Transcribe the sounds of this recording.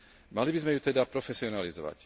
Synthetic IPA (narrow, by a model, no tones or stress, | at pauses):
malibizmɛjut̪ɛd̪apɾɔfɛsiɔnalizɔʋa̰c